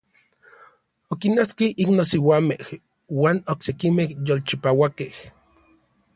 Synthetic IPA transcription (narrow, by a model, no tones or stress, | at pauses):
okinoskiʔiknosiwaːmeh | waːnoksekimehjolt͡ʃipawakeh